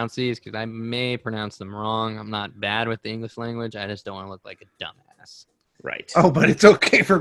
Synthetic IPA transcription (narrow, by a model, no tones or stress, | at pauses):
ʊ̃nsiz̥kʰʌzaɪmeɪpʰɹ̥ɨnãʊ̃nsðə̃mɹɔ̃ŋãɪ̃mnət̚b̥æd̚wɨðiɪ̃ŋɡlɨʃlæ̃ŋɡwɨd͡ʒaɪd͡ʒʌsd̥õʊ̃w̃nəlʊkla̰ɪkɨd̥ʌ̰̃mæ̰ | s | ɹa̰ɪt̚oʊbʌɾɨtsoʊkʰeɪfə˞